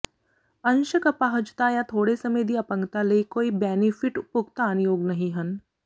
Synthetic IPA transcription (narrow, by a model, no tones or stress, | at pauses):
ɐ̃nʃəkɐpaɦəd͡ʒt̪ajat̪ʰoːɽesɐmed̪iɐpə̃ŋkt̪alekoːibɛːnɪfɪʈʊpʊɡt̪aːnjoːɡnɐɦĩɦɐn